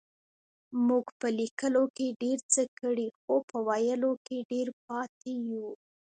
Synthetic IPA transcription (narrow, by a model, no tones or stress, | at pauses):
muɡpəlikəlokeɖeɾt͡səkəɽixopəwajəlokeɖeɾp̚ɑt̪eju